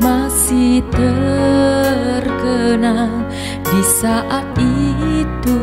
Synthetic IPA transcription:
masiht̪ə | rkənaŋ | disaʔait̪u

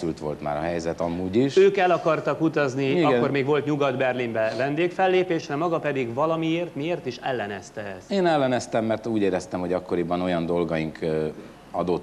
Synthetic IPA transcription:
ylt̪ʋo̞lt̪ma̰ːɾɒɦɛjzɛt̪ɒmuːɟiʃøːkɛlɒkɒrt̪ɒkut̪ɒzniiɒkkːormeːɡʋo̞lt̪ɲuɡɒd̪bɛrlimbɛvɛnd̪eːkfɛlːeːpeːʃrɛmɒɡɒpɛd̪iɡvɒlɒmieːrt̪mieːrt̪iʃɛlːɛnɛst̪ɛɛst̪eːnɛlːɛnɛst̪ɛmːɛrt̪uːɟeːɾɛst̪ɛmho̞ɟɒkːo̞ɾibɒno̞jɒnd̪o̞lɡɒjiŋk | ɒd̪ot̪ː

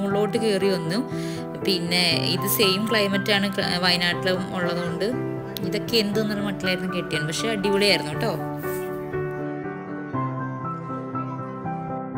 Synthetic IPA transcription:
uɭːo̞ːʈːɨkeriʋɐnːum | pinːe̞ḭðɨsejmkɭɐjmɐtːaːɳɨʋɐjnaːʈːilɐʋumuɭːɐðuɣo̞ɳɖɨ | iðo̞kːe̞end̪unːɐnːɐmɐʈːilaːjiɾunːumkeʈːijaːɳpɐkʂe̞ɐɖiʋuɭejaːjiɾunːuʋiʈːo̞ː

